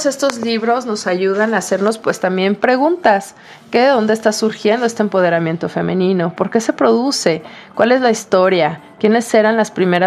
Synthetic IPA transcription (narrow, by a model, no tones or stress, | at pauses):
se̞st̪o̞zliβɾo̞zno̞saʝuðanaːse̞ɾno̞spwe̞st̪ambje̞mpɾe̞ɣunt̪as | keðeðo̞nd̪eːst̪asuɾxje̞nd̪o̞e̞st̪empo̞ð̞e̞ɾamjẽ̞nt̪o̞fe̞mẽ̞nĩno̞po̞ɾke̞se̞pɾo̞ðuse̞kwale̞zlaist̪o̞ɾjakje̞ne̞sːe̞ɾanlaspɾime̞ɾa